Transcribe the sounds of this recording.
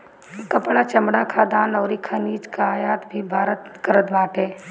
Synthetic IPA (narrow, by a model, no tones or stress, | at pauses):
kɐpɽat͡ʃɐmɽakʰaːd̪aːnɔːɾikʰaniːd͡ʒkaaːjaːt̪bʱibʱaːɾət̪kəɾət̪ʋaːʈɦɛː